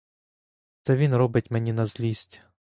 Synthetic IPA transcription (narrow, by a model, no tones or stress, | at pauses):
t̪sɛʋʲinrɔbɪtʲmenʲinɐzlʲisʲtʲ